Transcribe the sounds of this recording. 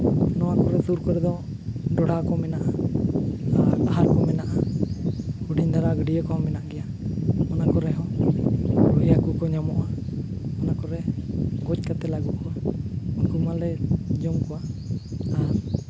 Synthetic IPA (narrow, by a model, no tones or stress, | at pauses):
nɔwakɔɾɛsuɾkɔɾɛd̪ɔ̃ | ɖɔɽakɔmɛnaʔa | aɦaɾkɔmɛnaʔa | kuɖiɲd̪aɾaɡɔɖijekɔɔ̃mɛnaʔɡɛja | mɔnakɔɾɛɦɔ̃ | ɾuɦijakukɔɲamɔʔaɔnakɔɾɛɡɔc̚kat̪ɛlaɡukɔwaɔnkumalɛd͡ʒɔmkɔwa | a